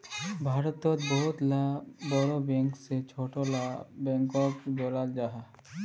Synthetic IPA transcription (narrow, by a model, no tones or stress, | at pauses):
bʱaːɾət̪ːoːt̪bɔɦʊt̪laboɽobɛ̃ːŋkset͡ʃʰoːʈolabɛ̃ːŋkoːkd͡ʒoːlald͡ʒaːɦa